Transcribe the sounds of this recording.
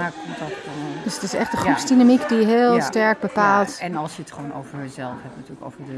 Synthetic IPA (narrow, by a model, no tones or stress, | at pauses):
akɔmtɑnd̥øsətɪsɛ̰χtə̃χrupsdinamikdiɦɪːlˠstɛɹk̚bəpaːlˠtɛnɑlˠsjəətχəʋownowvəɹəzɛlˠfɦɛpnatyːləko̰wvəɹdə